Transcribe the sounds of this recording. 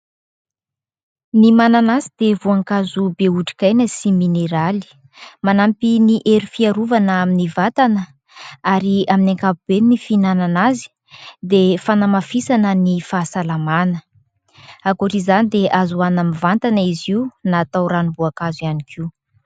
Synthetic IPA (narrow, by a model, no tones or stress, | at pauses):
nimananazid̪evuaŋkazubeuʈ͡ʂi̥kajnəsimineɾali̥ | manampiniʔeɾifiaɾuvanaminivat̪anə | aɾiaminaŋkapub̥enifinananazi̥ | d̪efanamafisanənifaːsalamanə | akuʈ͡ʂizanid̪eʔazuanamivant̪aniziunaːt̪awɾanibuakazianikʰiu